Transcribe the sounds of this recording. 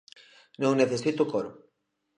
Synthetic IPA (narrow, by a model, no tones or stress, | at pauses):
nõŋneθesit̪ukoɾʊ